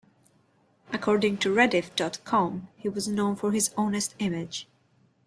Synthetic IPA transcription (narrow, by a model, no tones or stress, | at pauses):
ʔəkʰɔɹdɪ̃ŋtʰɨɹɛdɪfd̥ɔtkʰɔ̃mhiwʌznõʊ̃nfəɹɪzõʊ̃nɨstɪmɪ̥d͡ʒ̥